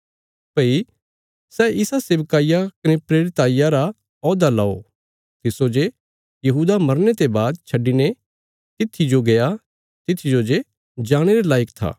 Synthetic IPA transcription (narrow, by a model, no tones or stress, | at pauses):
pɐi | sɛɪsaseːbkaːɪjakɐnepɾeːɾɪt̪aːijaɾa | ɔːd̪alao̰ | t̪ɪsod͡ʒe | jɐɦuːd̪amɐɾnet̪ebaːd̪t͡ʃʰɐɖine | t̪ɪt̪ʰːid͡ʒoɡeja | t̪ɪt̪ʰːid͡ʒod͡ʒe | d͡ʒaːɽ̃eɾelaːjəkt̪ʰa̰ː